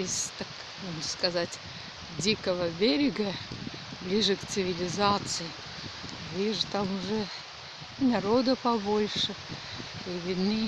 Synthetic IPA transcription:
ɪst̪ak | moʐnəskɐzatʲ | dʲikəvəbʲeɾʲɪɡə | blʲiʐɨkt̪sɨvʲɪlʲɪzat̪sɨɪ | lʲiʐɨt̪amʊʐɛ | nɐɾod̪əpɐbo̞lʲʂɨ | ivʲɪd̪nɨ

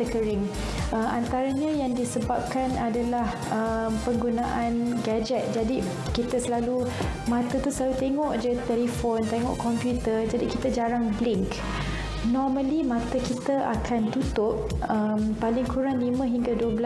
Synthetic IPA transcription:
əkəɾɪŋ | əmant̪aɾaɲãjaŋdisəbap̚kanadalah | əmpəŋɡunaʔanɡad͡ʒɛt̪̚d͡ʒadi | kit̪asəlalu | mãt̪at̪usəlalut̪eŋɔʔd͡ʒət̪ɛlifont̪eŋɔ̰ʔkɔmpjut̪ərd͡ʒadikit̪ad͡ʒaɾaŋblɪŋk | nɔrmə̃limãt̪akit̪aʔakʰant̪ut̪ʊp̚əmpalɪŋkuɾaŋlimə̃ɦiŋɡaduəbla

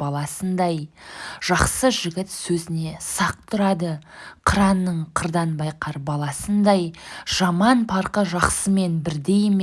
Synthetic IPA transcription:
ɑlˠɑsənd̪ɑjʒ̥ɑqsəʒɪɡʲɪt̪sɵzɪne̞sɑq̚t̪ʰʊɾɑd̪əqʰəɾɑnːəɴqʰəɾd̪ɑnbɑjqʰɑɾbɑlˠɑsənd̪ɑjʒ̥ɑmɑnpʰɑɾqəʒɑqsəme̞nbɪɾd̪e̞jm

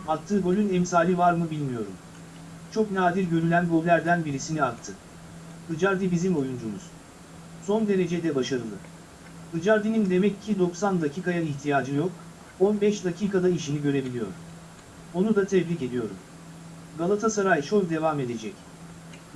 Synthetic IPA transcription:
at̪ʰːɯːɡo̞lʲynɛmsaːlʲivaɾmɯbilʲmijo̞ɾṵm | t͡ʃʰo̞knaːd̪iɾɟø̞ɾylʲænɡo̞lʲlʲæɾd̪ænbiɾisiniak̚t̪ʰːɯ | d̪ɯd͡ʒaɾd̪ibizimo̞jund͡ʒumuz̥ | so̞nd̪e̞ɾe̞d͡ʒed̪ɛbaʃaɾɯlˠɯ | d̪ɯd͡ʒaɾd̪inind̪e̞mɛcʰːid̪o̞ksand̪acʰikajaiçt̪ʰijaːd͡ʒɯjo̞k̚ | o̞nbɛʃd̪acʰiːkad̪aiʃiniɟø̞ɾe̞bilʲijo̞̰ɾ | o̞nud̪at̪ʰɛvlice̞d̪ijo̞ɾṵm | ɡalˠat̪ʰasaɾajʃo̞lʲd̪e̞vame̞d̪e̞d͡ʒɛc

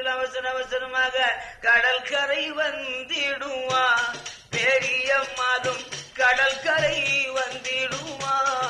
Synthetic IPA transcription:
lɐʋɐsɐnɐʋɐsɐnɐmaːɣɐkɐɽɐlkɐɾɐɪʋɐnd̪iɽuʋaː | peːɾijɐmaːðɐmkɐɽɐlkɐɾɐjʋɐnd̪iɽuʋaː

